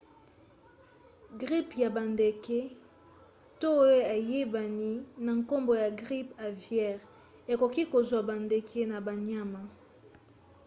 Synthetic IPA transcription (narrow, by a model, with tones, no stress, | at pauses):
ɡʁi˦pja˨ba˨nde˨ke˦ | to˦e˦a˨je˦ba˨ni˦na˨ŋko˦mbo˨ja˨ɡʁi˦pa˨vjɛ˦ʁ | e˨ko˨ki˦ko˨zwa˨ba˨nde˨kʰe˦na˨ba˨n˦a˦ma˨